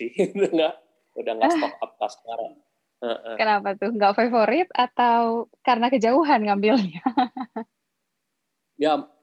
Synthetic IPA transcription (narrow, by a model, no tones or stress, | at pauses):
ɪd̪ŋɡaʔ | udaŋasɔkap̚kasə̥kaɾa̰ŋ | əʔkənapat̪ʊhŋɡaʔfafoɾɪt̪at̪awkarənakəd͡ʒauɦanŋambɪlɲa | ja